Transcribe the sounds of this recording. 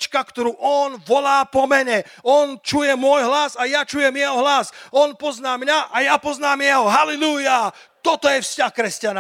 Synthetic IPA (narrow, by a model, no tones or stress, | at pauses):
t͡ʃkakt̪ɔɾuːʔɔnʋɔlaːpɔmɛɲɛ | ɔnt͡ʃujɛmʊɔjɦlasajat͡ʃujɛmjɛɦɔɦlasɔnpɔznaːmɲaʔajapɔznaːmjɛɦɔɦalɛluja | t̪ɔt̪ɔjɛfscaxkɾɛscana